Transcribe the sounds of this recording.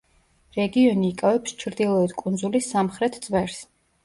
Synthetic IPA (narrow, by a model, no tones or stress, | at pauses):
ɾɛɡiɔniːkʼavɛpst͡ʃʰɾd̪ilˠɔɛd̪kʼund̪zulisamχɾɛt̪ʰd̪zʼvɛɾs